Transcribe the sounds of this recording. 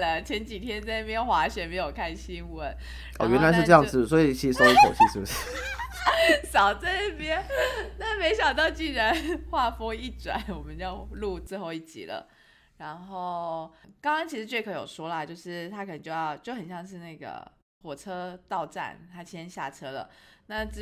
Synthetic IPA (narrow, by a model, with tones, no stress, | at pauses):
lə˨t͡ɕʰjɛ˧˥nt͡ɕi˨˩t̪ʰjɛ˥nt͡snə˥˩pʰjɛ˥nxwa˧˥ɕɥɛ˧˥me˧˥ɪjo˨˩ʊkʰa˥˩ɪɕi˥ŋwə˧˦n | ʔo̰˥˧˩ɥɛ˧˦nla˨˧ɪʂɻ̩˧ʈ͡ʂɤ˥˧jɑ˥˧ŋd͡zɹ̩˥˩swɔ˧˥i˨˩t͡ɕʰi˧˥i˨˩ʂo˥ʊi˧˥ʂo̰˨˩ʊɕi˥ʂɻ̩˥˩bu˩ʂɻ | sɑ˨˩ʊt͡sa˥˧i˥˩pjɛ˦˥nna˥˩me˧˥ɪɕjɑ˨˩ŋt̪̬ɑ˥˧ʊt͡ɕi˥˩ɻa˧˦nxwa˥˩fo˥ŋi˥˩ʈ͡ʂwa̰˨˩˦nwɔ˨˩mə˨˦njɑ˥˧ʊlu˥˧t͡sɹ̩˥˧xo˥˧ʊi˥˩t͡ɕḭ˨˩lə̰˦ | ɻa˧˥nxo˥˩ʊkɑ˥ŋkɑ˥ŋt͡ɕʰi˧˥ʂɻ̩˧˥t͡ɕwe˥˩ɪkʰɤ˧˥jo˨˩ʊʂwɔ˥lə˨a˨˦t͡ɕjo˥˧ʊʂɻ̩˥˩t̪ʰa˥kʰə˨˩ə˧ŋt͡ɕjo˥˧ʊjɑ˥˧ʊt͡ɕjo˥˩ʊxə˨˩nɕjɑ˥˧ŋʂ̬ɻ̩˥˧na˥˩ɡə̰˩ | xwɔ˨˩ʈ͡ʂʰɤ˥t̪ɑ˥˧ʊʈ͡ʂa̰˥˩nt̪ʰa˥t͡ɕʰjɛ˥nɕja̰˥˩ʈ͡ʂʰɤ˥lə̰˨na˥˩ʈ͡ʂ